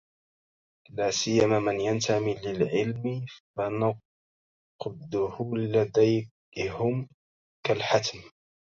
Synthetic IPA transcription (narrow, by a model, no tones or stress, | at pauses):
laːsɪjːamaːmanjant̪amilɪlʕɪlmɪfanʊ | qd̪ʊhʊlad̪aj | hʊm | kalħat̪m